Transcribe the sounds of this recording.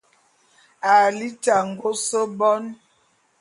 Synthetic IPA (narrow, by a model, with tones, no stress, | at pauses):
a˨li˦ta˨ŋ˨ɡo˦sə˦bɔ˦n